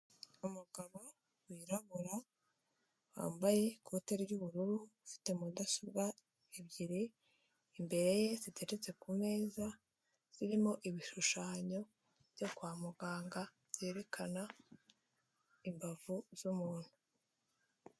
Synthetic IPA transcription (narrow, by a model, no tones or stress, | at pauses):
umuɡaβo̞ | wiːɾaβuɾa | wa̰ːmbaje̞kote̞ɾɟuβuɾuɾufi̥te̞mudasuɡa | eβɟiɾi | imbe̞ɾe̞je̞zitʰeɾet͡se̞kume̞ːza | z̥iɾimo̞ʔiβiʃuʃaːɲo̞ | vɟo̞kwaːmuɡaːŋɡa | z̥e̞ːɾe̞kʰana | imbavuz̥umuːn̥hu